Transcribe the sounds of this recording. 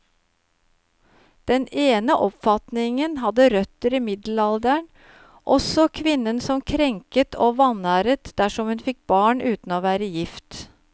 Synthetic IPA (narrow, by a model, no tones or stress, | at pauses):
d̪̥ɛneːnəʔɔpfɑt̪nɪŋənɦɑd̪əɾœt̪əɾiːmɪd̪l̩ɑld̪əɳ | ʔɔsɔkʰʋɪnːənsɔmkʰɾɛŋkət̪ʰoːʋɑnæːɾət̪d̪̥æʂɔmhʉnfɪk̚bɑːɳʉːt̪n̩oːʋæːɾəjɪft̪